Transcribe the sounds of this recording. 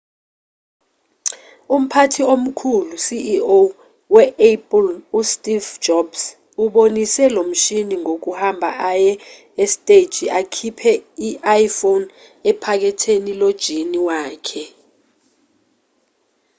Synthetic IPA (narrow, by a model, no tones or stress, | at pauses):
um̩pʰatʰiom̩kʰulusiʔo | wɛɛpʼlustʼiv̥d͡ʒ̥ɔb̥s | uɓonisɛlom̩ʃiniŋʱok̬uhambʱaʔajɛ | estʼed̥ʒ̥ʱiʔakʰipʰɛiʔajifon | ɛpʰak̬ɛtʰenilod̥ʒ̥ʱiniwaːkʰɛ